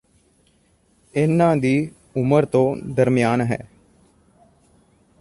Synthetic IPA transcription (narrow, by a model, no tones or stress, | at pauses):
ɪnːãːd̪iː | ʊməɾt̪õːd̪əɾmɪjaːnɦɛ̰ː